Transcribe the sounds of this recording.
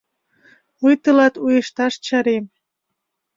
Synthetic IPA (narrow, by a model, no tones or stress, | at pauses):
ujt̪əlɑt̪ujeʃt̪ɑʃt͡ɕɑɾem